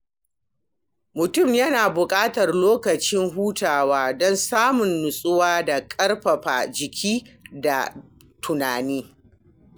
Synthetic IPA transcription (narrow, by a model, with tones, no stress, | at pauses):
mʊ˨tʊ˦˨mjɐ˦naː˨bʊ˨kʼaː˦tɐ˨rloː˦kɐ˨t͡ʃɪ˦ŋɦuː˦taː˨waː˦dɔ˦nsaː˦mʊ˨nːʊ˨sʼʊ˦waː˦da˨kʼɐ˦rɸɐ˨ɸa̰˨d͡ʒɪ˨kʲʰiː˦da̰˨ | tʰʊ˨naː˨niː˦